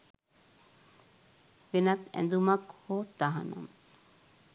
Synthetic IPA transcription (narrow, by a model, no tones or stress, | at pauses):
ʋenɐt̪æ̰nd̪umɐkhoːt̪ːaɦa̰nɐ̰m